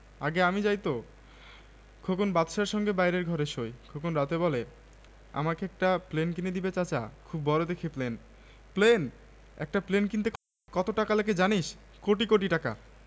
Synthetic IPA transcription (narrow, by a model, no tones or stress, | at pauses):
aɡeamid͡ʑajt̪o | kʰokonbat̪ʃaɾʃɔŋɡebajɾeɾɡʱɔɾeʃojkʰokonɾat̪ebɔle | a̰makeɛk̚ʈaplenkined̪ibet͡ɕat͡ɕa̰kʰubːɔɾod̪ekʰeplen | plen | ɛ̰k̚ʈaplenkint̪ek | kɔt̪oʈakaleked͡ʑaniʃ | koʈikoʈ̬iʈaka̰